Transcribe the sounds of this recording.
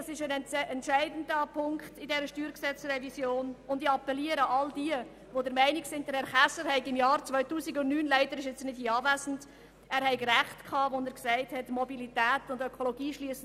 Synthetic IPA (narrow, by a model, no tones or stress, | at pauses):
ɑsɪʃənɛntʔɛntʃæɪdn̩dəpʰʊŋkχtɪdɛɾəʃtyːɾksɛt͡sɾɛvisjoːnʊndiɑpːɛliəɾəʔɑldiə | ʋodəɾmɛɪnɪksɪndɛɾɛɾχæsəɾhɛɪkɪmjɑːɾt͡svœʏtuːsiɡʊnnyːnlæɪdəɾɪʃɛt͡snɪd̥hiːɑːvæːsn̩t | æːɾhɛɪɡɾæχtkʰɑːʋɔnəɾksɛɪthɛtmɔbilitæːtʊndøkʰoloɡiːʃliəsn